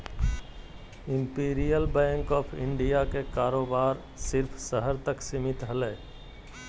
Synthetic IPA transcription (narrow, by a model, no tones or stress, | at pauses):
ɪ̃mpiːɾijəlbɛ̃ːŋkɔːpʰɪ̃ɳɖijakekaːɾoːbaːɾ | sɪɾpʰsəɦəɾt̪əksɪmɪt̪ɦəleː